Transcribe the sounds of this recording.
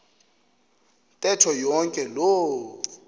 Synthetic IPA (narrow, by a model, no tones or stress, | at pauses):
ntʼɛtʰɔjɔŋkʼɛloː